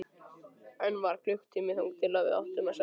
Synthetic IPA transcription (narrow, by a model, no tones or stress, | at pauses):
ɛnvaɾ̥kʰlʏxt̪ʰːimɪɔwŋkt̪ʰɪlavɪ̰a̰wht̪ʏmasa